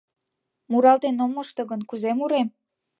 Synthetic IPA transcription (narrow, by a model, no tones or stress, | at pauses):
muɾɑlt̪enomːoʃt̪oɣənkuzemuɾem